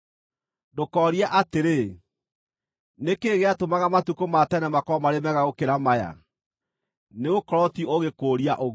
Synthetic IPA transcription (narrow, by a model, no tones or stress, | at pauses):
dokɔɾiaʔateɾe | nekeːɣeatomaɣamatukomatɛnɛmakɔmaɾemɛɣaɣokeɾamaja̰ | neokɔɾɔtioɣekoːɾiaʔoɣ